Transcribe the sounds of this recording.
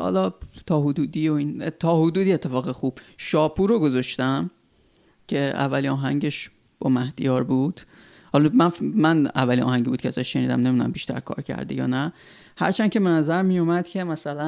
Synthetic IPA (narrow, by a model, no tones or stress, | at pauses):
hɒ̰lɒt̪ʰɒːɦod̪uːd̪iːoiːneɒːhod̪uːd̪iːet̪ʰːe̞fɒːɣexuːb̥ʃɒːpʰuːɾoɡozɒʃt̪æm | cʰe̞æ̰vːælinɒːɦæŋɟeʃ | b̥ɒmæhd̪̥ijɒːɾbud̪̥ | hɒlmænfmænæ̰vːælinɒ̰ːhæŋɟibuːd̪̚cʰeæzæʃʃeniːd̪æ̰mnemd̪unæ̰mbiʃt̪æ̰ɾkʰɒ̰ːɾcʰæ̰ɾd̪ejɒ̰ːnæ | hæ̰ɾt͡ʃʰæn̚ʲcʰe̞benæzæɾmijomæd̪cʰe̞mæsælæ